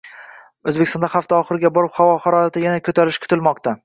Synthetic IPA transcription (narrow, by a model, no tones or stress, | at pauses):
ɵzbekʲɪst̪ɒnd̪ahaft̪ʰaɒχɨɾɪɡʲabɒɾɪphavɒhaɾɒjat̪ɪjanakʰɵt̪ʰaɾɪʃkʰʊ̥t̪ʰɪlmɒq̚t̪a